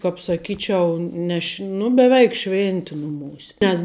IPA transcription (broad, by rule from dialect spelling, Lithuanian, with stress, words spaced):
kɐp sɐˈkʲiːt͡ʃʲɛʊ ˈnʲɛ ʃʲ nʊ bʲɛˈʋʲɛɪk ˈʃʲʋʲɪnʲtʲɪ nʊˈmuːsʲɛ nʲɛs